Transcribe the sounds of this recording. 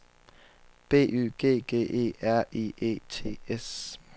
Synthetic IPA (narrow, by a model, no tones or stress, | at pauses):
b̥e̝̰ːʔy̰ːɡ̥e̝̰ːɡ̥e̝̰ːʔe̝̰ːæɐ̰ʔḭḛːt͡sʰe̝̰ːes